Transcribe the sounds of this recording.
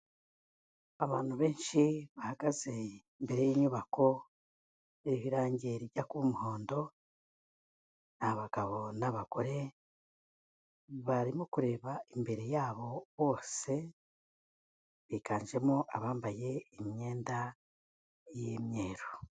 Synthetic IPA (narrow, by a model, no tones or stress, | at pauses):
aβaːnuβe̞ːnʃiβahaɡaze̞imbe̞ɾejiɲuβakʰo̞ | eβiβiɾaːɲɟeɾiɟakuumuho̞ːndo̞ | nahaβaɡ̥aβo̞naβaɡ̥oɾe̞ | βaɾimokuɾe̞ːβaimbe̞ɾe̞jaːβo̞βo̞ːse̞ | βikaːnʒe̞moʔaβaːmbaje̞imɲe̞ːnda | jemɲe̞ːɾo